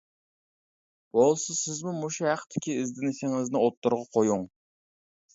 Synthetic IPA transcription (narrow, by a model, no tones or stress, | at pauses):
b̥olˠsɨsɪzmumuʃhæqt̪ʰːɪkʲiɪzd̪ɪnɪsɪŋɪznɪot̪ːʊɾʁɑqʰojuŋ